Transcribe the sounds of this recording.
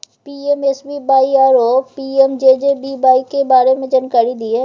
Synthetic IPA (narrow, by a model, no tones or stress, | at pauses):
piːemesbibaːiaːɾoːpiːeːmd͡ʒeːd͡ʒebiːbaːikebaːɾemẽd͡ʒənkaːɾid̪ieː